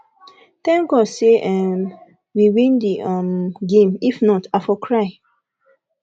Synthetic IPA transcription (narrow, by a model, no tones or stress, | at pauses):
t̪ɛ̃ŋɡɔdseʔɛm | wiwĩndiʔamɡẽmifnɔtafɔkʰɹaɪ